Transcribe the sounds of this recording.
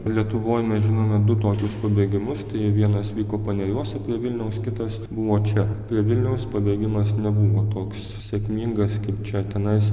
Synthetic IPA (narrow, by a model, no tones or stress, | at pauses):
lʲiɛt̪ʊʋoːjmʲɛsʒʲɪnoːmʲɛd̪ʊt̪oːkʲʊspɐbʲeːɡʲɪmʊst̪ɐɪʋʲiɛnɐsʋʲiːkoːpɐnʲɛlʲuɔsʲɛpʲɾʲiɛʋʲɪlʲnʲɛʊskʲɪt̪ɐsbʊʋoːt͡ʃʲɛpʲɾʲiɛʋʲɪlʲnʲɛʊspɐbʲeːɡʲɪmɐsnʲɛbʊʋoːt̪oːks | sʲɛkmʲiːŋɡɐskɐɪpt͡ʃʲɛt̪ʲɛnɐɪs